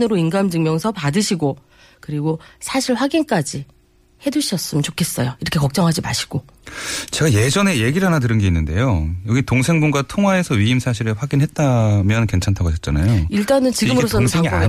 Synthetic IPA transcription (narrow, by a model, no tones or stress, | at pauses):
nɯɾoinɡamd͡ʑɯŋmjʌŋsʰʌpadɯɕʰiɡo | kɯɾiɡosʰaɕʰiɭɸwaɡink͈ad͡ʑi | he̞dɯɕʰiʌs͈ɯmənt͡ɕokʰe̞s͈ʌjoiɾʌkʰe̞kʌk̚t͡ɕ͈ʌŋɦad͡ʑima̰ɕʰi̥ɡ̥o | t͡ɕe̞ɡaje̞d͡ʑʌne̞je̞ɡiɾɯɭɦanatɯɾɯnɡe̞inːɯnde̞̰jojʌɡitoŋsʰe̞ŋbonɡwatʰoŋɦwae̞sʰʌɥiimsʰaɕʰiɾɯɸwaɡinɦet̚t͈amjʌnke̞nt͡ɕʰantʰaɡaɕʰʌt̚t͡ɕ͈ana̰joiɭt͈anɯnt͡ɕiɡɯmɯɾos̬͈ʰʌeŋia